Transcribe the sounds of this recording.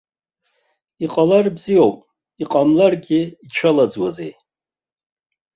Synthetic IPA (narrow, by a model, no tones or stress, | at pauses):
iqʼalarbzijowpʼ | iqʼamlarɡʲɪit͡ʃʷʰalad͡zwazej